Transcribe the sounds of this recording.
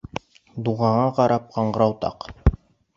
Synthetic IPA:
d̪uʁɑɴɑqɑɾʔɑp̚qɑɴɢɤ̆ɾɑwt̪ɑ̰q

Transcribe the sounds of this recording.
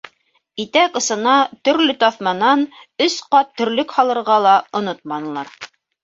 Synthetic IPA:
it̪ækɤ̆sɤ̆nɑt̪ɵ̆ɾlɵt̪ɑθmɑnɑnɵsqɑt̪ːɵ̆ɾlɵkhɑlˠɤ̆ɾʁɑlˠɑŏnot̪̚mɑnɤ̆lˠɑɾ

